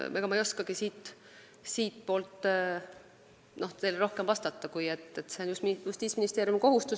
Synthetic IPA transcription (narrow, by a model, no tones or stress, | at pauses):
eɡ̥ɑmɑejo̞skɑɡ̥isiːt̪ː | siːt̪po̞ːlt̪ː | no̞ht̪e̞lro̞hkemvɑst̪ɑt̪ːɑkujet̪ːet̪ːse̞onjujust̪iːsminist̪eːɾjumko̞ɦust̪u